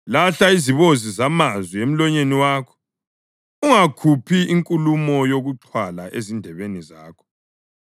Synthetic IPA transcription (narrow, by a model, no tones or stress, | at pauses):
laɬaiziβozizamazwiem̩lɔɲeniwaːkʰɔ̥ | uŋakʰupʰiʔiŋkʼulumɔjoɣuǁʰwalaʔezindʱɛβenizaːkʰɔ̥